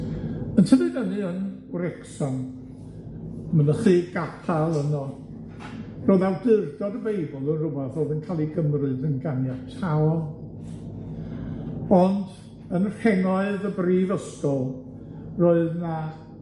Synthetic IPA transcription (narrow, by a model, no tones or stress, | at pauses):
əntʰəvɨɡənɨənɾɛksɔn | mənəχiɡatʰalˠənɔ | roːðawdɪrdɔdəbejbɔlˠənrʊbɛθoːðənkʰaːlˠiɡəmrɨðənɡanjatʰaɔ | ɔnd | ənr̥hɛŋɔɨðəbriːvəskɔlˠ | roːɨðna